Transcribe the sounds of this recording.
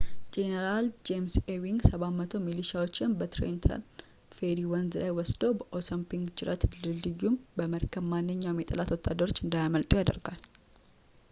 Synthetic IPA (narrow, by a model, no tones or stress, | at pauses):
d͡ʒɛnɛɾald͡ʒemsewiŋɡsɐβamːɐt̪ʰomɪlɪʃawɔt͡ʃːɪɐnbət̪ɾḛnt̪ʰɐ̰n | fed̪iwɐnzlajwɔsd̪o̞bɐʔosɔmpɪŋɡt͡ʃɪɾɐt̪lɨldɪjːumbəmɐɾkɐbmaːnːɪɲːameːt̪ʼɐ̰lat̪wɔt̪ːa̰ːd̪ːɐɾɔt͡ʃːɪnd̪ajmɐlt̪ʼɪjoɐd̪ɐ̰ɾɡal